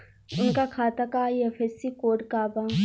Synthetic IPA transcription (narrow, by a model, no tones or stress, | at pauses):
ʊnkakʰaːt̪akaiefʰesikoːɖkaːba